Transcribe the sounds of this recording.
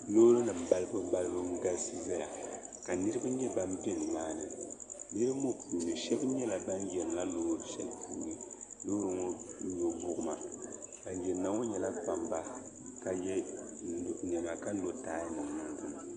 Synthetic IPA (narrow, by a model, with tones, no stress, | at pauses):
noː˦ɾɨ˦nɨ˨ba˦lɨ˦bɨ˦ba˦lɨ˦bɨ˦ŋ˦ɡa˦si˦za˦ja˨ | ka˨nɨ˦ɾɨ˦bɨ˦ɲɛ˦ba˦m˦bɛ˦˨nɨ˨maː˦˨nɨ˨bɛ˦ɾmo˦puː˨nɨ˨ʃɛ˦bɲɛ˦la˨ba˦njɛ˨n˨la˦loː˦ɾɨ˦ʃɛ˨lpuː˦nɨ˨loː˦ɾɨ˦ŋo˦ɲo˨ɡʊ˦ʔʊ˦ma˨ba˨n˦jɛː˨a˨ŋo˦ɲɛ˨la˦k͡pa˨mba˦ | ka˨jɛ˦˨ | n˨ɛ˨ma˨ka˦o˦taː˦jnɨ˨a˦ndɨ˦˨ma˨